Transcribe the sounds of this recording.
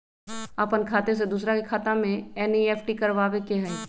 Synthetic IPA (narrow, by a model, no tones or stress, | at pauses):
əpənkʰaːt̪es̬ed̪uːsɾakekʰaːt̪ãmẽɛniɛːfʈikəɾʋaːʋekeɦɛi